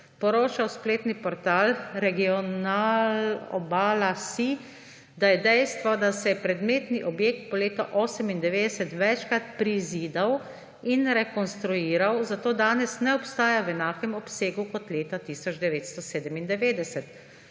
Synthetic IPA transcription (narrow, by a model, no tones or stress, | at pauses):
pɔɾoːt͡ʃawspleːt̪nipɔɾt̪aːlɾɛɡiɔnaːlɔ̰baːlasi | d̪ajɛd̪ɛjst̪ʋɔd̪asɛɛpɾɛd̪meːt̪niʔɔbjek̚t̪̚pɔleːt̪ɔʔɔːsɛmind̪ɛʋeːd̪ɛsɛt̪ʋɛt͡ʃkɾat̪pɾiziːd̪aw | inɾɛkɔnst̪ɾuiːɾawzat̪oːd̪aːnɛsnɛɔpst̪aːjawɛnaːkɛmɔpseːɡukɔt̪leːt̪at̪iːsɔd͡ʒd̪ɛʋeːt̪st̪ɔseːd̪ɛmind̪ɛʋeːd̪ɛsɛt̪